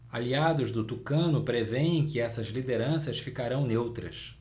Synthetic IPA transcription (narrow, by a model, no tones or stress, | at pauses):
aliad̪ʊzd̪ʊt̪ukɐ̃nʊpɾeveẽj̃kɪɛsɐzlid̪eɾɐ̃sɐsfikaɾɐ̃w̃newt̪ɾɐ̰s